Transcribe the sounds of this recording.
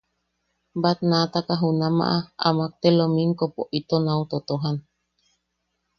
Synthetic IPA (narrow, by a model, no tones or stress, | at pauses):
bat̪nat̪akaɦunama̰ʔaa̰mak̚t̪elomiŋkopoʔit̪onaut̪ot̪oɦan